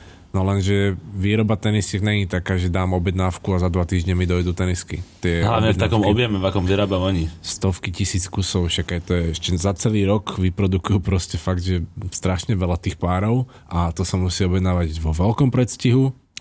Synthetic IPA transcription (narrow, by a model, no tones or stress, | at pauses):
nɔlɛnʒɛʋiːɾɔbat̪ɛnisciknɛɲit̪akaːʒɛd̪aːmɔbjɛd̪naːfkuazad̪ʋat̪iːʒɲɛmid̪ɔjd̪ut̪ɛniskḭt̪ɪɛɦlaʋɲɛfakɔmɔbjɛmɛvakɔmviɾaːbaɔɲist̪ɔfkicisiːt͡skusɔʊʃaɡajt̪ɔjɛɛʃcɛzat͡sɛliːɾɔkʋipɾɔd̪ukujupɾɔscɛfaɡd̪ʒɛst̪ɾaʃɲɛʋɛlat̪iːxpaːɾɔʊ | ʔat̪ɔsamusiːɔbjɛd̪naːʋaɟʋɔʋɛlkɔmpɾɛt̪sciɦu